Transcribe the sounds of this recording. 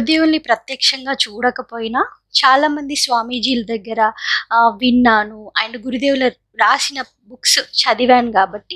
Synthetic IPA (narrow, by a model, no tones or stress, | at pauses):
d̪eːwulnipɾɐt̪jɐːkʂɐŋɡaːt͡ʃuːɽɐkɐpoːjina | t͡ʃaːlaːmɐnd̪isʋaːmiːd͡ʒiːlɐd̪ɐɡːɐɾɐʋinːaːnuɐɳɖɡuɾud̪eːwulɐ | ɾaːsinɐ | buksut͡ʃɐd̪iʋaːnkaːbɐʈːi